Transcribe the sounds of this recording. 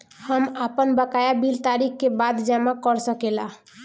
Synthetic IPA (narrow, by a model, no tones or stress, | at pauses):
həmapənbəkajabilt̪aɾikʰkebad̪d͡ʒamakəɾsəkela